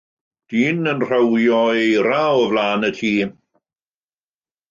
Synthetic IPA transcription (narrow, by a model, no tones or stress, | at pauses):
d̥iːnənr̥awjɔejɾawəvlaːnətʰiː